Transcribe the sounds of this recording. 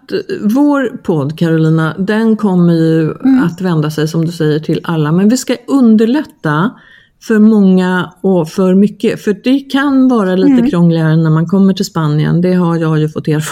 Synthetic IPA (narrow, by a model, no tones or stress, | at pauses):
t̪voːɾpʰɔd̪ːkʰaɾʊliːnad̪ɛnkʰɔmːəɾjɵat̪vɛnd̪asɛjsɔmd̪ɵsɛjːəʈʰɪlalːamɛnvɪskaʔɵnd̪əɭɛt̪ːa | fœɾmɔŋːaɔfœɾmʏkːəfœɖ̥ɛkʰanvɑːɾaliːt̪əkʰɾɔŋlɪaɾənæɾmankʰɔmːəʈʰɪlspanːɪə̰nd̪ɛɦaɾjɑːjɵfɔt̪ːeːɾ